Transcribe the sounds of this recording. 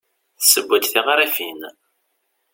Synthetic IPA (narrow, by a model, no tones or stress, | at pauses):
θsəbʷːæd̪θiʁɾæfin